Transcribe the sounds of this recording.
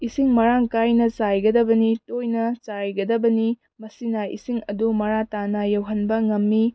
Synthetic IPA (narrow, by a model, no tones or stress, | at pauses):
isiŋmɐɾaŋkajnɐt͡ʃajɡɐdɐbɐnitojnɐt͡ʃajɡɐdɐbɐni | mɐsinaḭsiŋɐdumɐɾatanɐjɐwɦɐnbɐŋɐmːi